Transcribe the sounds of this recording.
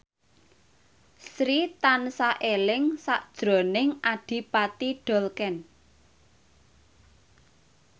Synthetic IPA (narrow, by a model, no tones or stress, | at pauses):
sɾit̪ansaʔelɪŋsaʔd̥ʒ̥ɾɔ̤nɪŋaɖ̥i̤pat̪iɖ̥ɔ̤lkɛn